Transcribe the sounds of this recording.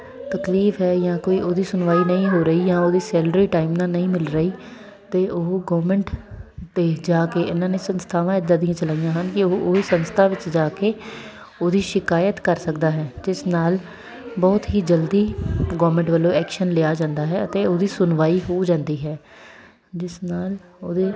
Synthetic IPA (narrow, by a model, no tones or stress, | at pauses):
t̪əkliːfɦɛːjãːkoːiːʔoːd̪iːsʊnʋaːiːnəĩːɦoːɾəiːjãːoːd̪iːsɛːlɖɾiːʈaːɪmnãːnəĩːmɪlɾəiː | t̪eːʔoːɡɔːmɛ̃ɳʈd̪eːd͡ʒaːkeːʔɪnãːneːsənst̪ʰaːʋãːɪd̪aːd̪ĩjãːt͡ʃəlaːijãːɦənkɪoːʔoːiːsənst̪ʰaːʋɪt͡ʃd͡ʒaːkeː | oːd̪iːʃɪkaːjət̪kəɾsəkd̪aːɦɛːd͡ʒɪsnaːl | bɔːt̪ɦiːd͡ʒəld̪iːɡɔːʋmɛ̃ɳʈʋəlːõːɛːkʃənlɪaːd͡ʒãːnd̪aːɦɛːət̪eːoːd̪iːsʊnʋaːiːɦoːd͡ʒãːnd̪iːɦɛː | d͡ʒɪsnaːl | oːd̪eː